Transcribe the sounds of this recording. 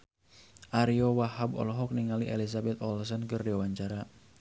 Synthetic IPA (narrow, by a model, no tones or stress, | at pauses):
ʔaɾiɔwahabɔ̰lɔɦɔk̚niŋaliʔelis̬abɛt̪̚ɔlsɔnkɨrdawaɲt͡ʃaɾa